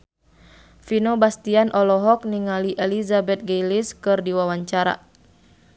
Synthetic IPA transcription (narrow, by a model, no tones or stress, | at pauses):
finɔbast̪ianʔɔlɔɦɔk̚niŋaliʔɛlizabɛt̪̚ɡejliskɨrdiwawaɲt͡ʃaɾa̰